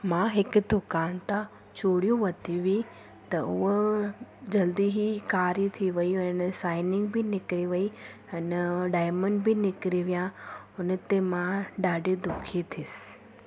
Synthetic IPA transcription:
mãɦɪkʊd̪ʊkaːnt̪ã | t͡ɕoːɽijũʋɐt̪iʋi | t̪ɐʊɦo | d͡ʑɐld̪iɦikaːɾit̪ʰiʋɐiɛnəsaːɪnɪ̃ŋɡbɪnɪkɪɾiʋɐi | ɐnɖaːɪməɳɖbɪnɪkɾiʋijã | ʊnət̪emãɖaːɖed̪ʊkʰit̪ʰɪsɪ̥

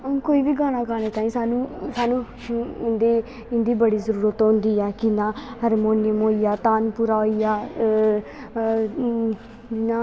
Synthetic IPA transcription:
koːiːʋiːɡaːɽ̃ãːɡaːɽ̃eːt̪aːĩːsaːnũːsaːnũː | ɪnd̪eː | ɪnd̪iːbəɽiːzəɾuːɾət̪ɦʊ̃nd̪iːɛːkɪnãːhəɾmoːnɪjəmoːijaːt̪aːnpuːɾaːoːijaː | d͡ʒɪnãː

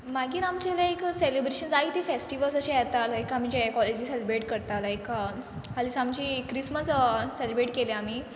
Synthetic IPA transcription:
maɡiːɾamt͡ɕelaekselibɾeɕənsaɦit̪ifesʈiʋəlsəɕẽjat̪alajkamid͡ʑẽkɔled͡ʑiːselibɾeʈkəɾt̪alajk | alisamt͡ɕiːkːɾisməsːelbɾeʈkeleamiː

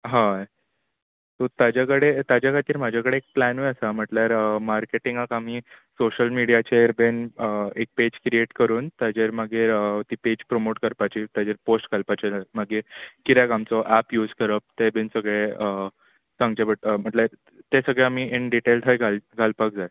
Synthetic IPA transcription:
ɦã | t̪ot̪ad͡ʑakəɽet̪ad͡ʑjakʰat̪iːɾm̤ad͡ʑʱakəɽeːk̚plænʋeəsam̤əʈljaɾəmaɾkeʈiŋɡakam̤iːsoɕəlmiɽijat͡ɕeɾbenek̚ped͡ʑkɾieʈkəɾuːnt̪jad͡ʑeɾmaɡeɾət̪iːped͡ʑpɾomoʈkəɾpat͡ɕiːt̪jad͡ʑeɾposʈɡʱalpat͡ɕeamaɡekit̪jakamt͡sɔʔæpjuːd͡zkəɾəp̚t̪ebensəɡɭeə | sãŋɡd͡ʑabəʈəm̤əʈljaɾ | t̪esəɡɭeam̤iːʔiɳɖiʈelʈ̪ʰajɡʱalɡʱalpak̚d͡zaj

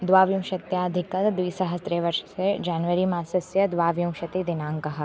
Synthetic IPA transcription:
d̪ʋaːʋjũmʃɐt̪jaɐd̪ʱɪkɐd̪ʋiːsɐɦəst̪ɾeʋɐɾʃsed͡ʒaːnʋəɾimãːsɐsjɐd̪ʋaːʋjũmʃɐt̪id̪ɪnãːŋkɐɦa

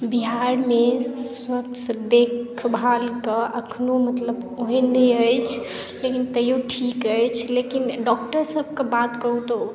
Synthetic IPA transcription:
biɦaɾmeswəkt͡ʃsəd̪ekʰbʱalkəʔəkʰnomət̪ləboɦenːɛəjt͡ʃʰ | lekint̪əjoʈʰikəjt͡ʃʰlekinɖɔk̚ʈəɾsəb̚ʱkebat̪kəɦut̪o

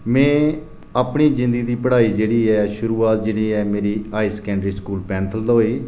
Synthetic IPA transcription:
mɛ̃ː | aːpɳiːd͡ʒɪ̃nd̪əɡiːd̪iːpəɽaːiːd͡ʒeːɽiːɛːʃʊɾuːaːt̪̚d͡ʒeːɽiːɛːmeːɾiːaːiːsə̥kɛ̃ːɳɖɾiːskuːlpɛ̃ːnt̪ʰəld̪oːiː

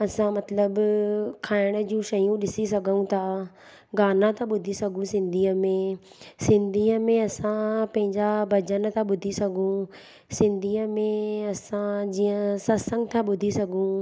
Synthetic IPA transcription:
ɐsãmɐt̪ləbkʰaːɪɽ̃əd͡ʑũʃɐjũɗɪsis̬ɐɡʱəũt̪ʰaː | ɡaːnãt̪ʰãɓʊd̪ʱisɐɡʱũsɪ̃nd̪ʱiːəmẽ | sɪ̃nd̪ʱiːəmẽɐsãpɐ̃ɦɪ̃ɲd͡ʑabʱɐd͡ʑənt̪ʰaɓʊd̪ʱisɐɡʱũ | sɪ̃nd̪ʱiːəmẽɐsãd͡ʑiːə̃sɐsə̃ŋɡt̪ʰaɓʊd̪ʱisɐɡʱũ

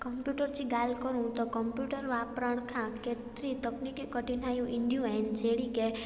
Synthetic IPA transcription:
kəmpjuʈəɾt͡ʃiɡalkəɾũt̪okɔmpjuʈəɾʋapɾəɳ̃kʰãket̪ɾit̪əknikikəʈinajũʔɪɳɖjũɛnd͡ʒeɽike

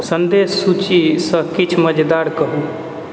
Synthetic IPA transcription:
sənd̪esːut͡ʃisə̃kit͡ʃʰməd͡ʒd̪aɾkəɦu

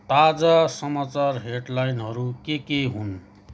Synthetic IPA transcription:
t̪ad͡zasʌmat͡sarɦeɖlajnɦʌɾukekeɦun

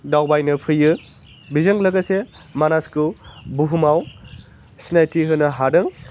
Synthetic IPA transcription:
dawbajnɯpʰɯjɯ | bizɯŋlɐɡase | manaskɯbuɦumaw | sinajtiɦɯnɐɦadɯŋ

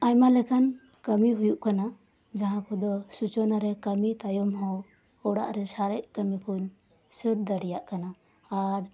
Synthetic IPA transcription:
ajmalɛkʰan | kəmiɦujuʔkana | d͡ʒaɦãkʰɔd̪ɔsut͡ʃɔnaɾɛkəmit̪ajɔmɦɔw | ɔɽa̰ʔɾɛsaɾɛʔ̚kəmikʰuɲ | səɾd̪aɽijaʔkana | aɾ

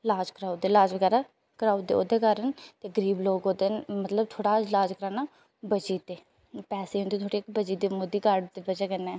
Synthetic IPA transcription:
laːd͡ʒkɾaːud̪eːlaːd͡ʒʋəɡɛːɾaː | kɾaːud̪eːo̰ːd̪eːkaːɾənt̪eːɡəɾiːbloːɡoːd̪enmət̪ləb̚t̪ʰoːɽaːlaːd͡ʒkəɾaːnaː | bəd͡ʒiːt̪eː | pɛːseːɦʊnd̪iːt̪ʰoːɽiːkbəd͡ʒiːd̪iːmod̪iːkaɖt̪ebəd͡ʒaːkənːɛː

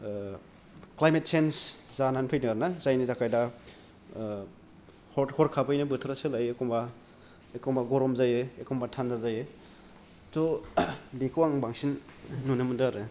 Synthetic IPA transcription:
klajmet̚senszananpʰɯjnɯaɾnazajnidakʰajda | hɔhɔɾkʰapɯjnɯbɯtʰɾasɯlajekɔmba | ekɔmbaɡɔɾɔmzajɯekʰɔmbatʰandazajɯ | to | bikʰɯwaŋbaŋsinːunɯmɯndaɾɯ

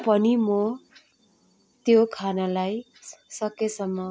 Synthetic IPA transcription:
pʌnimo | t̪jokʰanalaj | sʌkesʌmːʌ

